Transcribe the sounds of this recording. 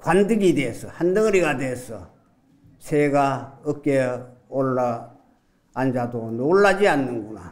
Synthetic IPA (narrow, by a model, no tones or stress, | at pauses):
kwandɯɡideesʰʌhandɯŋɯɾiɡadesʰʌ̰ | sʰeɡaɯk͈e | oɭːa | and͡ʑadonoɭːad͡ʑianːɯnɡuna̰